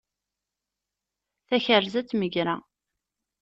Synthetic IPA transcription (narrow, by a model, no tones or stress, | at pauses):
θæçərzæt͡sːməʝɾa̰